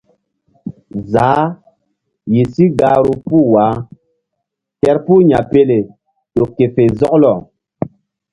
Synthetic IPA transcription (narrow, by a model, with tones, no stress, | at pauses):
zaː˨˦ | ji˨si˦ɡaː˦ɾu˦puː˦˨waː˨˦ | tɛ˦ɾpu˦ɲa̰˨pe˦le˨ | ɗo˨kːe˨fe˨zɔ˦klɔ˨